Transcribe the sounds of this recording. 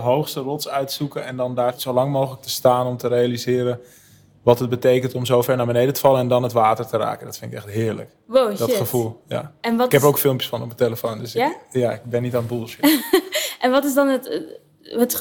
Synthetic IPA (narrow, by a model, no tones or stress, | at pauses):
əɦowxstərɔtsœɥtsukəɛndɔndaːrz̥owlɑŋmowχələk̚təstaːnɔmtəɾejalizɪːɾə | ʋɑtət̚bətejkəntɔmzoːfɛɹnaːɹbənejdətə̥fɑlˠəɛndɔnətʋaːtəɹtəra̰ːkəndɔtfɪntɪkɛχtɦɪːɹlə̰k | wodɔəfulˠja̰ɛnɪkɛpowkfɪlˠmpjəsfɔnɔpəteləfondøsjaɪk̚bɛnːitaːnbulˠʃɪ | ʔɛnʋɑtɪsdɔnət | ət